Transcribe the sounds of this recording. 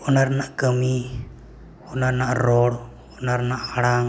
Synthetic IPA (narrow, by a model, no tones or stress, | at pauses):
ɔnaɾnaʔkəmi | ɔnarnaʔɾɔɽ | ɔnaɾnaʔaɽaŋ